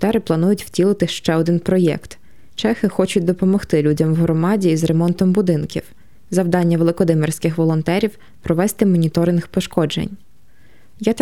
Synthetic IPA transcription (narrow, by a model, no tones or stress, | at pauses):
t̪ɛɾɪplˠɐnujʊtʲw̥tʲilˠɪt̪ɪʃt͡ʃɛɔd̪ɪnpɾɔjɛ̰kt̪ | t͡ʃɛxɪxɔt͡ʃʊt̚ʲd̪ɔpɔmɔxt̪ɪlʲudʲɐmwɦɾɔmɑdʲiːzremɔnt̪ɔmbʊd̪ɪnkʲḭw | zɐwd̪ɑnʲːɐʋelˠɪkɔd̪ɪmersʲkɪxʋɔlˠɔnt̪ɛɾʲiw | pɾɔʋɛst̪ɪmɔnʲit̪ɔɾɪnxpɔʃkɔd͡ʒḛnʲ | ja